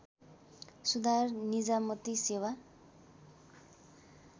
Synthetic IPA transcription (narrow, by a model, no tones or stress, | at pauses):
sud̪ʱarnid͡zamʌt̪isewa